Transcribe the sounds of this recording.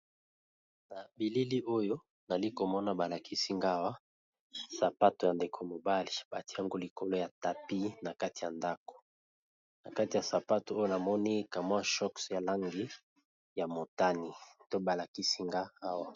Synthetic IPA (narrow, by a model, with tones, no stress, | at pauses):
na˨bi˨li˦li˦ʔo˦jo˦ | na˨li˦ko˨mɔ˦na˨ba˨la˨kʰi˦si˦ŋɡa˦wa˦ | sa˨pa˦to˨ja˨nde˨kʰo˨mo˨ba˦li˨ba˨ti˦a˦ŋɡo˦li˨ko˦lo˦ja˨ta˨pi˦na˨ka˦ti˨ja˨nda˦ko̥˨ | na˨ka˦ti˨ja˨sa˨pa˦to˨o˦jo˦na˨mɔ˦ni˦ka˨mwa˦ʃɔ˦ksja˨la˦ŋɡi˦ | ja˨mo˨ta˦ni˨to˦ba˨la˨ki˦si˦ŋɡaː˦wa˦